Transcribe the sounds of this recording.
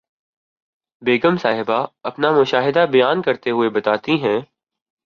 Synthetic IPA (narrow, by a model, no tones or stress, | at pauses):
beːɡəmsaːɦɪbaɐpnamʊʃaːɦɪd̪abɐjaːnkɐɾt̪eɦʊebɐt̪aːt̪iɦɛ̃ː